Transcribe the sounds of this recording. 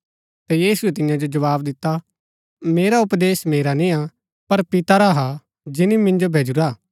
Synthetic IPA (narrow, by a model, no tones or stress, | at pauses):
t̪ɛjiːsuɛt̪ɪjãd͡ʒod͡ʒɐʋaːbd̪ɪt̪ːa | meːɾaʊpd̪eːsmeːɾanĩa | pɐɾpɪt̪aɾaɦa | d͡ʒɪnimɪ̃nd͡ʒobʱeːd͡ʒuɾaː